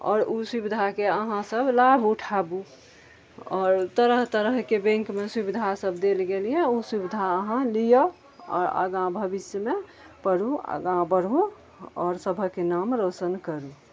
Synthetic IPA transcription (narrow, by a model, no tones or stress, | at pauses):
ɔ̰ːɾusubid̪ʱakeəɦãsəbʱlabʱuʈʰabu | ɔːɾt̪əɾəɦt̪əɾəɦkebẽŋkmesubid̪ʱasəbʱd̪elɡelijɛusubid̪ʱaəɦãlijo | ɔ̰ːɾə̰ɡãbʱəbisme | pəɾuə̰ɡãbəɾu | ɔːɾsəbʱəkenamɾot͡ʃənkəɾu